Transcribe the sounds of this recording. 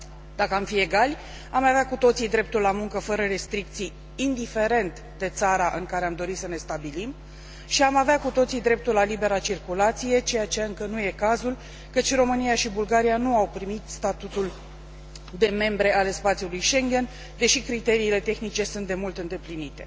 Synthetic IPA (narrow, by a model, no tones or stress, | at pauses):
d̪̥akəamfie̞ɡalʲ | amavakut̪o̞t̪sijd̪ɾe̞p̚t̪ulːamuŋkəfəɾəɾe̞st̪ɾik̚t̪sijː | nd̪ife̞ɾe̞nt̪ | d̪e̞t̪saɾaʔɨŋkaɾeamd̪o̞ɾit̪səne̞st̪abilim | ʃiamaveakut̪o̞t̪sid̪ɾe̞p̚t̪ulalibe̞ɾat͡ʃirkulat̪sije̞t͡ʃe̞jat͡ʃejaɨŋkənuje̞kazul | kət͡ʃʲro̞mɨnijaʃibulɡaɾijanuawpɾimit̪st̪at̪ut̪ul | d̪e̞me̞mbɾe̞ʔale̞spat̪siulujʃe̞ŋɡʲe̞n | d̪e̞ʃikɾit̪e̞ɾiːle̞t̪e̞xnit͡ʃe̞sunt̪̚d̪e̞mult̪ɨnd̪e̞plinit̪e̞